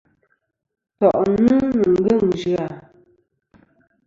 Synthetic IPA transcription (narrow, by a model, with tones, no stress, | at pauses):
tɔ˨ʔnɨ˦nə˨ŋ̩˦ɡə˦˨ŋ˨d͡ʒʉ˨a˦˨